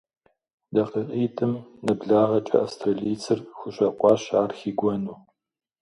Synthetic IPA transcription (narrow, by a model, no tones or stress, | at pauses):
dɐqəʔʼiːtʰʼɨmnɨbɮaːʁɐt͡ʃʼɐ̰ʔafstʰrɐɮiːt͡sʰɨrxʷʊɕʼɐqʷɑːɕaːrxiːɡʷɔnuː